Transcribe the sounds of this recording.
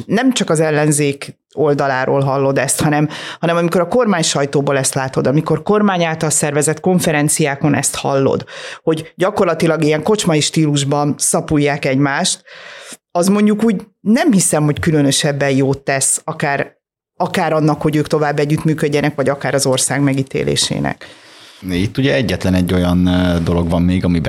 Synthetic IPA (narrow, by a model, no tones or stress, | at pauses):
nɛmt͡ʃɒkɒzɛlːɛnzeːk | o̞ld̪ɒlaːɾoːlɦɒlːo̞d̪ɛst̪hɒnɛmhɒnɛmɒmiko̞ɾɒko̞rmaːɲʃɒjt̪oːboːlɛst̪laːt̪o̞d̪ɒmiko̞rko̞rmaːɲaːlt̪ɒlsɛrvɛzɛt̪ko̞ɱfɛɾɛnt̪sijaːko̞nɛ̰st̪hɒ̰lːo̰d̪ho̞ɟɟɒko̞rlɒt̪ilɒɡijɛŋko̞t͡ʃmɒiʃt̪iːluʒbɒnsɒpujːaːkɛɟmaːʃt̪ | ɒzmo̞ɲɟukuːɟ | nɛmhisɛmho̞ckylønø̞ʃɛbːɛjjoːt̪ːɛsɒkaːɾ | ɒkaːɾɒnːɒkho̞ɟøːkt̪o̞vaːbːɛɟːyt̪myːkøɟːɛnɛkvɒɟɒkaːɾɒzo̞rsaːɡmɛɡit̪ḛːlḛːʃḛːnɛ̰k | it̪ːuɟɛɛɟːɛt̪lɛnɛɟːo̞jɒnd̪o̞lo̞ɡvɒmːeːɡɒmibɛ